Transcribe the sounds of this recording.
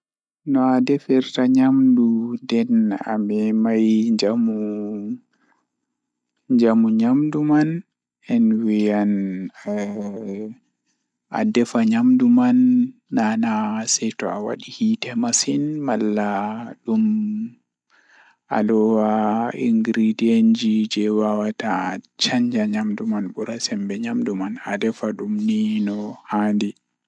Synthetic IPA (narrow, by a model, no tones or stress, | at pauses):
nɔadɛfɛɾtaɲamdudɛna̰mɛmajd͡ʒamu | ɲd͡ʒamuɲamduman | ɛnwijan | a̰dɛfaɲamdumanːanasɛtɔawa̰ɗihitɛmasinmalːaɗum | ʔa̰lɔwaḭŋɡɾidiend͡ʒid͡ʒɛwawatat͡ʃaɲd͡ʒaɲamdumanɓuɾasɛmbɛɲamdumana̰dɛfaɗumninɔhandi